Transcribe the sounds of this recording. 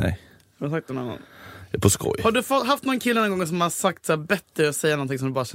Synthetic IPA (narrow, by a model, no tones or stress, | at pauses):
nɛ̰j | daɾs̬ak̚t̪nɛna̰nːa̰napʰɔskɔ̰jhaɖɵfɔt̪ːɦaft̪nɔnkʰɪlːənɔnɡɔŋːs̬ɔmhasak̚t̪sæːɾbɛt̪ːɾəɔsɛjːanɔnt̪ɪŋsɔmd̪ɵbɑːɾaɕɛ